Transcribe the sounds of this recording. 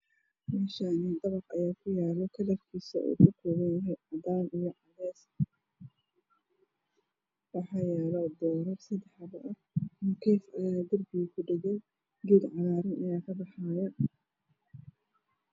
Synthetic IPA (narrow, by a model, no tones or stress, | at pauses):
mɛːʃaːnid̪ɐβɑqɐjaːkʰʊjaːlɔkʰɐlɐfkʰiːsɐ̰ʔṵːkʰʊkʰɔːɣɛnjɐɦɛjʕɑd̪aːnijɔʕɑðɛːs | wɑħɑjɛːlɔd̪ɔːɾɔrsɐd̪ɛħɑbɐʔɐ | mkʰɛːfɐjaːd̪ɐrbɪɣʊkʰʊɖɛɣɛj | ɡid̪ʕɑɾaːɾɪnɐjaːkʰɐbɑħaːjan